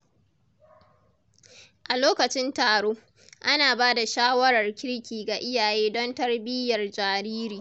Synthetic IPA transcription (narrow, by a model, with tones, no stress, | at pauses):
ʔa˨loː˦kɐ˨t͡ʃɪ˦ntaː˨ɽoː˦ | ʔa˦naː˨baː˦da˨ʃaː˦wɐ˦ɾɐ˨rkʲɪ˦ɽkʲiː˨ɡa˨ʔɪ˦jaː˨jeː˦dɔ˦ntɐ˦rbɪ˦jɐ˨rd͡ʒaː˨ɾiː˦ɾiː˨